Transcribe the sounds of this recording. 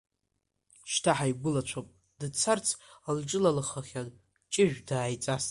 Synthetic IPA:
ʃtʰaħajbʊlat͡ʃʷʰopʼ | dɨt͡sʰart͡sʰald͡ʒʼɪlalɨχaχʲan | t͡ʃʼɪʒᶣʷdaːjt͡sʼas

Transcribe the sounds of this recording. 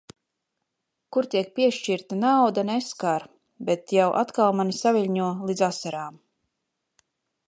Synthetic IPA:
kuɾt̪iɛk̚piɛʃt͡ʃiɾt̪anawd̪anɛskaɾ | bet̪jawʔa̰t̪kalˠmanisavilʲɲuɔlˠid̪zasaɾaːm

